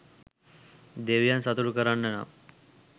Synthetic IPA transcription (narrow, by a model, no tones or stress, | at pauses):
d̪eʋijansat̪uɽukəɾanːɛna̰